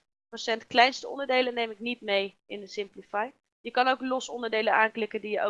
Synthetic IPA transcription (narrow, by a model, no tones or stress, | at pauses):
rosɛntklɛjnstəɔ̰ndəɹdejlənːejmɪknit̚mej | ɪndəsɪmplifaj | jəkɑnowklɔsɔndəɹdejlənaːnklɪkəndijəʔo̰